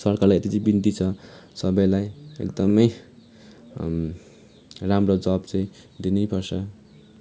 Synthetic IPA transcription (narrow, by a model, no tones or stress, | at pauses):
sʌrkarlajet̪it͡sʌj̃bint̪it͡sʰʌsʌbʌjlajḛkd̪ʌmʌj | ramrod͡zʌbt͡sʌĩ | d̪inejpʰʌrsʰʌ